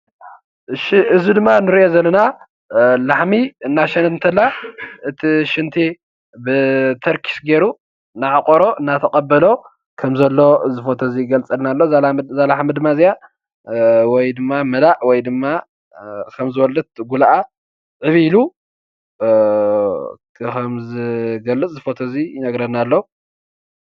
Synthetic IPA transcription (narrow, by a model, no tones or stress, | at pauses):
ʃiʔɨzid̪ɨmːanɨɾiʔozɐlːɐna | laħmiɨnːaʃɐnt̪nt̪ʰɐlːaɨt̪ʰiʃɪnt̪ʰi | bɨt̪ʰɐɾkʰi̥sɡeɾu | naʕakʼoɾo̞ʔɨnːat̪ʰɐkʼɐbːɐlo̞ | kʰɐmzɐlːo̞ɨzɨfot̪ʰozijɪɡɐlt͡sʼɐlnalːo̞zalaħmid̪ɨmːazija | wɔjd̪ɨmːamɐlaʕwɔjd̪ɨmːa | kʰɐmzɨwɔlɐt̪̚ɡulaʔa | ʕɨβilu | kʰɐmzɨɡɐlːɨt͡sʼzɨfot̪ʰɐzinɐɡɾɐnalːo